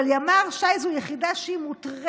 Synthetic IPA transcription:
aljamaʁʃajzujeχid̪aʃeimut̪ʁ

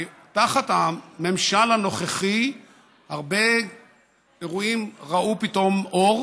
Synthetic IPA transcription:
taχat̪hame̞mʃalhano̞χeχi | haʁbe̞ | eʁuimʁaʔupito̞mʔoʁ

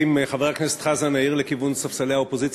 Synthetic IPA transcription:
imχaveʁaknese̥t̪χazanaiʁlekivunsafsaleaopo̞zit͡s

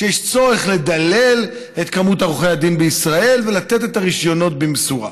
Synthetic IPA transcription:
ʃejeʃt͡so̞ʁeχle̞d̪ale̞l | et̪kamutaʁuχejad̪inbeisʁae̞lve̞lat̪e̞tetaʁiʃjo̞no̞t̚bimsuʁa̰

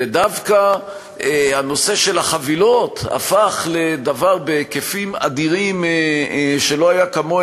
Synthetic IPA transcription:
ed̪avka | ehano̞se̞ʃe̞lhaχavilo̞t̪a̰faχle̞d̪avaʁbekefima̰d̪iʁim | ʃelo̞ajakamo

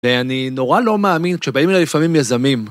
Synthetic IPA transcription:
veanino̞ʁalo̞meːminkʃebaimelajlifamimjazamim

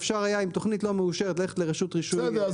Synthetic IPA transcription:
fʃaʁhajaimt̪oχnitlo̞meuʃeʁet̪leet̪leʁeʃut̪ʁiʃud̪e

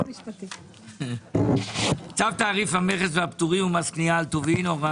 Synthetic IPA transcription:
t͡savt̪aːʁifhameχesveapt̪uʁimumaskniaːlt̪ovinova

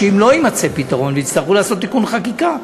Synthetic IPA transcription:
ʃimlo̞imat͡se̞pit̪aʁo̞nveit͡st̪aʁulaːso̞t̪̬ːikunχakika

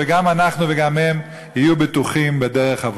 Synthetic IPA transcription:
eɡamanaχnuveɡamhem | hijubet̪uχimbedeʁeχav

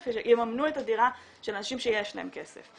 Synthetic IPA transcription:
feʃemamnuetadiʁa | ʃelanaʃimʃejeʃla̰e̞mkesḛf

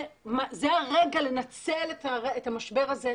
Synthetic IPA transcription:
mazeaʁeɡale̞nat͡seletaʁetamaʃbe̞ʁaze

